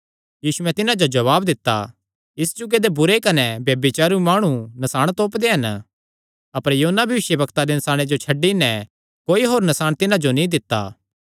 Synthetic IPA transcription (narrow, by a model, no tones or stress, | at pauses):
jiːsuɛ̃t̪ɪnãd͡ʒod͡ʒɐβaːbd̪ɪt̪ːa̰ | ɪsd͡ʒʊɡed̪ebʊɾekɐnɛbjɐbɪt͡ʃaːɾumaːɽ̃unɐsaːɽ̃t̪oːpd̪eɦɐn | ɐpəɾjɐɦoːnːabʱjɐʋɪʃjəbɐkt̪ad̪enɐsaːɽ̃ed͡ʒot͡ʃʰɐɖːinɛ | koːiɦoːɾnɐsaːɽ̃t̪ɪnãd͡ʒonĩd̪ɪt̪ːa̰ː